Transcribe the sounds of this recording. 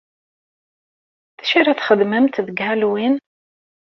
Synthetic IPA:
θæ̥ʃiɾæθχəd̪məmt̪ðəɡhælwin

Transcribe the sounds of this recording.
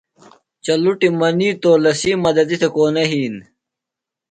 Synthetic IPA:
t͡ɕɐluʈimɐniːt̪oːlɐsiːmɐd̪ɐd̪it̪ʰekoːnɐɦiːn

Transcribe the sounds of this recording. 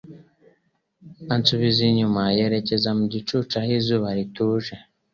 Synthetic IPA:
ant͡suβiziɲumaje̞ɾe̞ce̞zamuɟit͡ʃut͡ʃahizuːβaɾituːʒe

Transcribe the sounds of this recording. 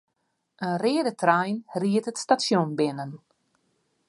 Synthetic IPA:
ənrɪədətʰrajnriətətstasjonbɪnən

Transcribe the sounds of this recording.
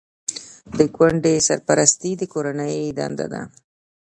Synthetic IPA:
d̪əɡwaɳɖesa̰ɾpaɾast̪id̪əkoɾanəjd̪a̰nd̪a̰d̪a̰

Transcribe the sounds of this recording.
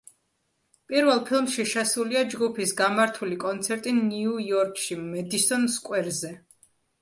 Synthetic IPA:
pʼiɾvɛlˠpʰilˠmʃiʃɛsuliad͡ʒɡupʰisɡamaɾt̪ʰulikʼɔnt̪sʰɛɾt̪ʼiniujɔɾkʼʃimɛd̪isɔnskʼwɛɾzɛ

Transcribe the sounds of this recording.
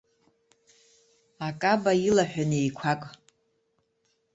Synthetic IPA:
akʼabailaħʷᶣanejkʷʰakʼ

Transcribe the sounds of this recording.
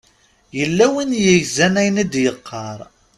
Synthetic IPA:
jəlːæwinjəjzænæjnid̪jəqʰːɑɾˤ

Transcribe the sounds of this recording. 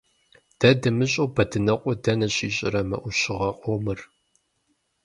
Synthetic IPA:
d̥ɐdɐmɨɕʼowbɐdʰɨnɐqʷʼʊdɐnɐɕʼiːɕʼɪɾɐmɐ̰ʔʷʊɕɪʁɐqʷʼomɨr

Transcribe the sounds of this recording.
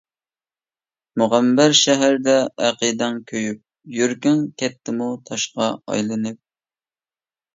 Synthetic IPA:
muʁæmbæɾʃɛɦæɾd̪ɛːqɨd̪ɛŋkʲʰøjyp̚ | jyɾkʲyŋkʲʰɛt̪ʰːɪmut̪ʰɑʃqɑɑ̰jlˠɨnɨp̚

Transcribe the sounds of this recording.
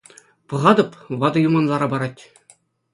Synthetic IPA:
pɤ̆ʁɑd̪ɤ̆pʋɑd̪ɤ̆jumɑnlˠɑɾɑbɑɾɑtʲ

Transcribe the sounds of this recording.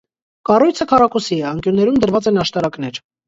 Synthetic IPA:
kɑrujt͡sʰəkʰɑrɑkusiɛɑŋkjunːɛɾumd̪əɾvɑt͡sɛnɑʃt̪ɑɾɑkn̪ɛɾ

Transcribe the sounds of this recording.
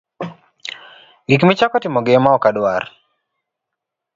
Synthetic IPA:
ɡikmɪt͡ʃakɔtɪmɔɡemaɔkadwar

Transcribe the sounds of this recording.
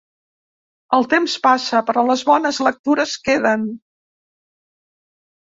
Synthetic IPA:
əlˠt̪emspasəpəɾɔləzβɔnəzlək̚t̪uɾəskeðən

